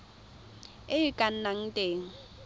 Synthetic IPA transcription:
ɪɪkʼan̩naŋ̩tʼeːŋ̩

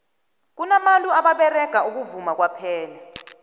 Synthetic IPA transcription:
k̬unamanlʼuaɓaɓɛrɛɡ̥ʱauk̬uvumak̬wapʰɛːla

